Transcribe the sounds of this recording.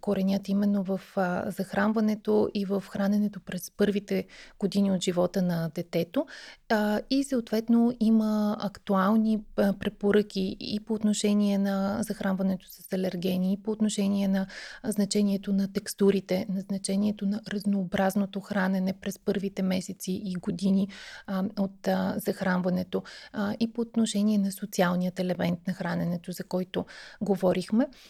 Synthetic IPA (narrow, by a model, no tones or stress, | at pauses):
koɾɛnʲat̪imɛnːovəfzɐxɾanvɐnɛt̪oʔivəfxɾanɛnɛt̪opɾɛspɤɾvit̪ɛɡ̥od̪iniot̪ʒivɔt̪ənɐd̪ɛt̪ɛt̪o | isəot̪vɛt̪noiməɐkt̪ualˠnipɾɛpoɾɤk̟ʲiḭpoːt̪noʃɛniɛnɐzɐxɾʔanvɐnɛt̪o̥sɐ̥sɐlɛɾɡʲɛniːpoːt̪noʃɛniɛnɐznɐt͡ʃɛnʲiɛt̪onɐt̪ɛkst̪uɾit̪ɛnɐznɐt͡ʃɛniɛt̪onɐɾɐznoːbɾaznot̪oxɾanɛnɛpɾɛspɤɾvit̪ɛmɛsɛt̪siʔiɡod̪ini | ot̪zɐxɾanvɐnɛt̪oipoːt̪noʃɛniɛnɐsot̪sialˠnʲijət̪ɛlɛmɛnt̪nɐxɾanɛnɛt̪ozɐkɔjt̪oɡovɔɾixmɛ